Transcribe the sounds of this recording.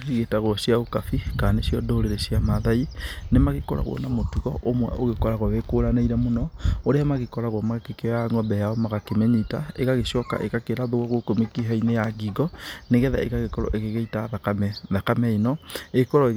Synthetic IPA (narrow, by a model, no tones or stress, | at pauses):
ɣiɣetaɣwɔsjaokafikaːnesjɔdoɾeɾesjamaðainemaɣeko̰ɾa̰ɣwɔ̰namotuɣɔ̰ʔomwɛ̰ʔoɣekɔɾaɣwɔwekoːɾanaiɾɛmonɔoɾeamaɣekɔɾaɣwɔmakekeaŋɔbɛjaɔmaɣakemeɲitaeɣaɣeʃɔka̰ʔekakeɾaðoɔɣokomekiɦainejaɡiɡɔneɣɛða̰eɣaɣekɔɾɔ̰ʔeɣeɣeitaðakaɛðakamɛinɔekɔɾɔeɣ